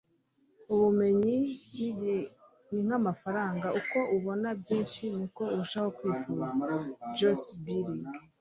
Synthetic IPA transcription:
uβume̞ɲini | niŋ̥amafaɾaːŋɡaʔuko̞ʔuβo̞nabɟiːnʃinuko̞uɾuʃaho̞kwiːfuːzad͡ʒosbiɾiɡ

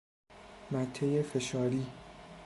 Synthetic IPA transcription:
mæt̪ʰːejefe̞ʃɒːɾiː

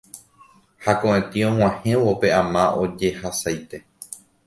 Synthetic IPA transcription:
hakõʔẽt̪iõ̞ŋ̃ãhẽ̞ʋo̞pe̞ãmãʔo̞d͡ʒe̞hasajt̪e̞

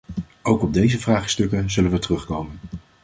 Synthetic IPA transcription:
owkɔb̚dejzəvraːχstɵkənzɵlənʋətərɵχkowmən

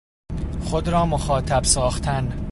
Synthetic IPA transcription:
xod̪ɾɒːmoxɒːt̪ʰæbsɒːxt̪ʰæn

